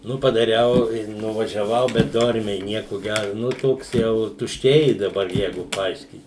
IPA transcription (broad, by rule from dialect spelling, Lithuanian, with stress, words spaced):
ˈnʊ pɐdɐˈrʲɛʊ ɪ nʊʋɐʒʲɛˈʋɐʊ bʲɛt ˈdoːrʲmʲɛɪ ˈnʲiɛkʊ ˈɡʲærʊ ˈnʊ ˈtoːks ˈjɛʊ tʊʃʲˈt͡ʃʲɛɪ dɐˈbɐr ˈjɛɪɡʊ pɐˈɐɪʃʲkʲiːt